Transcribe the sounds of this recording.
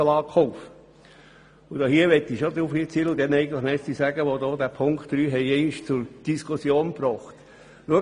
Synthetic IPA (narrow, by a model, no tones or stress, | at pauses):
əlɑːkχɔʊf | ʊd̥ɔːhiːəʋɛt̪ːiʃod̪ɾufit͡siːləʊd̪ɛnɛɪɡən̩tləχmɛssisæɡ̥əʋod̪ɔːd̪æːpʰʊŋktd̥ɾyːɦɛɪɛɪniʃt͡sʊɾd̥iskusjoːnprɔːχt̪ | luə